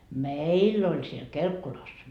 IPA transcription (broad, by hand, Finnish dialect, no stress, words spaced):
meilː olʲ siel kelkːulɑs